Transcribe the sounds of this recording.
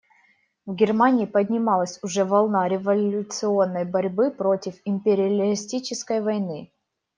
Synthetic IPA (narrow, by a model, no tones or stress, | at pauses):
vɡʲɪrmanʲɪːpədʲnʲɪmɑlˠəsʲʊʐɛvɐlˠnaɾʲɪvɐlʲʊt̪sɨo̞nːəjbɐɾʲbɨpɾo̞tʲɪfɪmʲpʲɪɾʲɪɐlʲɪsʲtʲit͡ɕɪskəjvɐjnɨ